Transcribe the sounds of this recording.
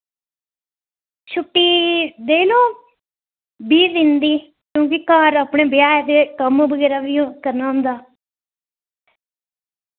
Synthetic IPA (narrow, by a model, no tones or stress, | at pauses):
t͡ʃʰʊʈːiːd̪eːlõː | biːɾɪ̃nd̪iː | kjõːkikaːɾaːpɳeːbɪjaːjet̪eːkəmõːbəɡɛːɾaːʋɪjõːkəɾnaːɦʊ̃nd̪aː